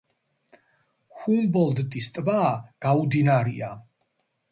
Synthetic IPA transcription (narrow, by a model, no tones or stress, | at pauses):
humbɔld̪d̪ist̪ʼbaːɡ̥aud̪inaɾia